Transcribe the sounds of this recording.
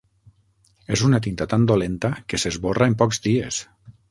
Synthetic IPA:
ezunat̪int̪at̪and̪olent̪akesezβoraempɔkzd̪ies

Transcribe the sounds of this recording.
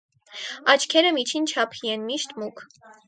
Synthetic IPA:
ɑt͡ʃʰkʰɛɾəmit͡ʃʰint͡ʃʰɑpʰijɛnmiʃt̪mukʰ

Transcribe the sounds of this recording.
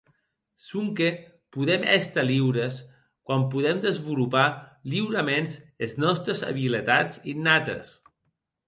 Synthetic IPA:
sumke | puðɛmɛst̪əliwɾəs | kwampuðɛmd̪əzβulupaliwɾəmenseznɔst̪ɾəzə̰βilet̪at͡sinːat̪ḛs

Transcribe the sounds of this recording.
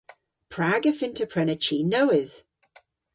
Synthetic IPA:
pʰɹ̥aːɡəfɪntʰəpʰɹɛnət͡ʃiːnowɪð̥

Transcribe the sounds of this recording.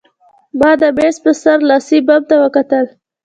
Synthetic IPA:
bɑd̪əbespəsaɾlɑsibab̚t̪awəkat̪əl

